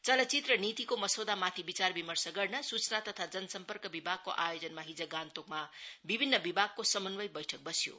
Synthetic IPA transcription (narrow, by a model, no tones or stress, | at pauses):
t͡sʌlʌt͡sit̪rʌnit̪ikomʌsod̪amat̪ʰibit͡sarbimʌrsʌɡʌrnʌsut͡snat̪ʌt̪ʰad͡zʌnʌsʌmpʌrkʌbibʱaɡ̚kːo̰ʔajod͡zʌnmaɦid͡zʌɡant̪okmabibʱinːʌbibʱaɡ̚kosʌmʌnbʌjbʌjʈʰʌk̚bʌsjo̰